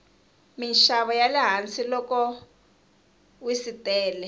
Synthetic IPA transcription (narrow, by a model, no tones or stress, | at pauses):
minʃaβɔjalɛɦant͡silɔkɔ | wisitʼɛːlɛ